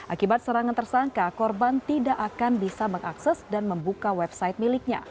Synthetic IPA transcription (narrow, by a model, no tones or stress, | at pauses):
ʔakibat̪̚səɾaŋant̪ərsaŋkakɔrbant̪idaʔakanbisaməŋaksɛsdanməmbukawɛb̚sait̪̚milɪk̚ɲa̰